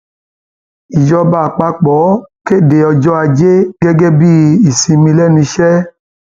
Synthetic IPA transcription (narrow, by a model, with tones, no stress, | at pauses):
i˨d͡ʒɔ˧ba˨k͡pa˧k͡pɔ˨˦ke˦˨de˨ɔ˧d͡ʒɔ˦a˧d͡ʒe˦ɡɛ˦ɡɛ˦bi˦˧i˨si˨˧mĩ˧lɛ˦˨nĩ˧ʃɛ˦